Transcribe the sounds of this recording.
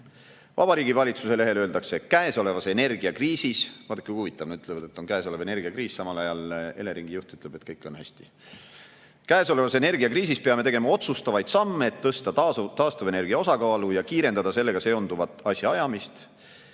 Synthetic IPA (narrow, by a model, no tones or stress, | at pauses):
vɑ̰b̥ɑɾiːɡivɑlʲit̪suse̞le̞ɦe̞løːld̪ɑkse̞kæeso̞le̞vɑse̞ne̞rɡ̥iɑkriːsisvɑd̪e̥kujhuːvit̪ːˑɑvneyt̪ːˑlevɑd̪̥e̞t̪ːˑo̞nkæːso̞le̞ve̞ne̞rɡ̥iɑkriːssɑmɑlɑjɑle̞le̞ɾiŋɡ̥ijuht̪yt̪leb̥e̞t̪kɤjkːˑo̞nhæsʲt̪i̥ | kæeso̞le̞vɑse̞ne̞rɡ̥iɑkriːs̬ispe̞ɑme̞t̪e̞ɡe̞mɑo̞t̪sust̪ɑvɑjd̪̥sɑmːe̞ːt̪ːɤst̪ɑt̪ɑːst̪uve̞ne̞rɡ̥iɑo̞sɑkɑːlujɑkiːɾe̞nd̪ɑd̪̥ɑse̞lːe̞ɡ̥ɑse̞ond̪uvɑt̪ːˑɑsʲjɑɑjɑmist̪